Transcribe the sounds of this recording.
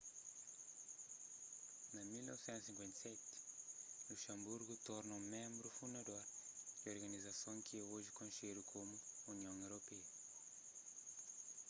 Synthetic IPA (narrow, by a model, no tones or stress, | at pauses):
nɐmilnɔ̰vsɛ̃nt̪sĩŋkwẽnt̪ɐsɛt̪ | luʃɐ̃mbuɾɣut̪ɔɾnɐũmẽmbɾufund̪ɐd̪oɾd̪ioɾɣɐnizɐsõw̃kɪɛoʒɪkõnʃeɾukʰomuuniõwewɾopɛɐ